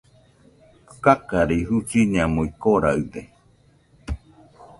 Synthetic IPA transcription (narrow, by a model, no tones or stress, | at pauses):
kakaɾeiɦut͡ʃiɲãmoikoɾaɨd̪e